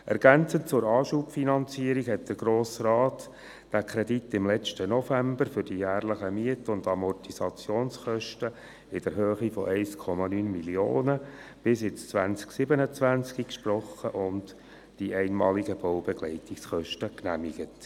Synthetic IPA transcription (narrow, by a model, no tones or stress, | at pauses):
ʔɛɾɡ̥ænt͡sənt͡sʊɾɑːʃuːpfinɑnt͡siəɾikhɛt̚d̥əɾɡɾoːsrɑːt | d̥ækʰɾɛditːɪmlɛt͡ʃtənɔfæmbəɾfʏɾd̥ijæːrləχəmiətəʊndɑmɔrtisɑt͡sjoːnsχœʃtə | ɪd̥əɾɦøːχifɔ̰ʔɛɪskʰɔmɑnyːnmilioːnəb̥ɪsɪt͡st͡sʋænt͡sksɪbənət͡sʋænt͡skikʃprɔχə̰ʔʊnd | d̥iʔɛɪnmɑːliɡəb̥ɔwbɛɡlɛɪtiksχœʃtəknæmiɡ̥ət